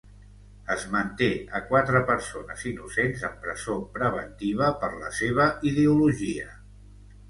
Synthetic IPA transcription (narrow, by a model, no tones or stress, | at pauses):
əzmənt̪eəkwat̪ɾəpəɾsonəzinusenzəmpɾəzopɾəβ̞ənt̪iβ̞əpəɾləseβ̞əiðeuluʒiə